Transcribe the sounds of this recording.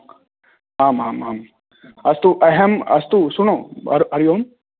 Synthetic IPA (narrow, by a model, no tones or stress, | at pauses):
aːmaːmaːm | ɐst̪uʔɐɦɐmɐ̰st̪usunoɐ̰ɾɐɾjoːn